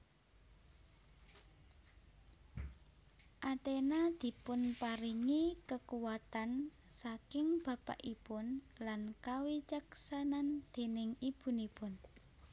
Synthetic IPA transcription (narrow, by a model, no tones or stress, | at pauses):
ʔat̪enad̪̥i̤pʊnpaɾiŋikəkuwat̪an | sakɪŋb̥ä̤pa̰ʔipʊn | lankawit͡ʃaksanand̪̥e̤nɪŋib̥ṳnipʊn